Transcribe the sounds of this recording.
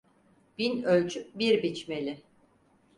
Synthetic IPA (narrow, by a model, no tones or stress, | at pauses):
b̥inølʲt͡ʃʰyk̚biɾbit͡ʃme̞lʲɪ